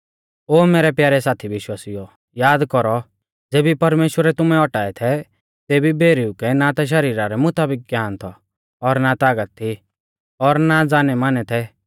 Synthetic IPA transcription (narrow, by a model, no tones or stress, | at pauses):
oːmeːɾɛpjaːɾɛsaːt̪ʰiʋɪʃwaːsijɔ | jaːd̪kɔɾɔ | d͡zeːbipɐɾmeːʃwəɾɛt̪ʊmɛɔʈaːɛt̪ʰɛ | t̪eːbibʱeːɾiukɛnat̪aʃ̬ɐɾiːɾaɾɛmʊt̪aːbɪk̚ɡjaːnt̪ʰɔ | ɔɾnat̪aːɡət̪̚ʰːi | ɔɾnad͡zaːnɛmaːnɛt̪ʰɛ